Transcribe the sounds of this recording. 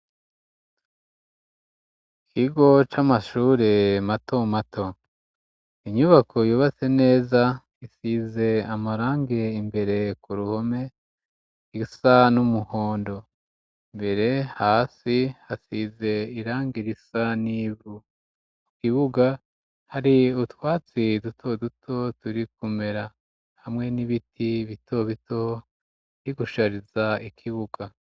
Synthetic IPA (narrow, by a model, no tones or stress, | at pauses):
kʰiɡo̞t͡ʃamaʃuːɾematʰomatʰo̞ | iɲuβakʰo̞juːβat͡se̞ne̞ːza | isize̞amaɾaːŋɡe̞imbe̞ɾe̞kuɾuho̞me̞ | isanumuho̞ːndo̞ | imbe̞ɾe̞haːsihasize̞iɾaːŋɡiɾisaniːβu | ukiβuɡa | haɾiutwaːt͡sidutʰo̞dutʰo̞tuɾikume̞ɾa | hamŋe̞niβitiβitʰo̞βito̞ | ɾiɡuʃaɾizaikʰiβuɡa